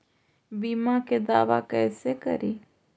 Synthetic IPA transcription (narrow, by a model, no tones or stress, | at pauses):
biːmaked̪aːʋa̰kɛːsekə̰ɾiː